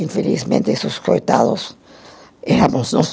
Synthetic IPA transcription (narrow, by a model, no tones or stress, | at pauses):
ĩfelḭzmḛ̃nt̪ɪsoskojt̪aðʊ̰s | ɛɾamʊznõ